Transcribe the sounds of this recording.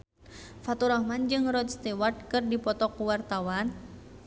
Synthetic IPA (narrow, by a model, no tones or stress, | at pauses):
fat̪uɾɔhmand͡ʒɨŋrɔd̪st̪ɛwart̪̚kɨrdipɔt̪ɔkuwart̪awan